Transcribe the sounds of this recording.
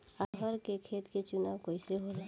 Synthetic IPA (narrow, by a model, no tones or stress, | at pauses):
aɡʱəɾkekʰet̪ket͡ʃunawkojseɦole